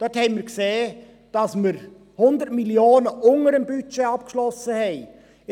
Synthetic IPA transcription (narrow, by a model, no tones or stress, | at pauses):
d̥ɔthɛɪmiːɾkseː | d̥ɑsməɾ | hʊnd̪ətmiljoːnəʔʊŋəɾəmbyt͡ʃeɑp̚kʃlɔsəhɛɪ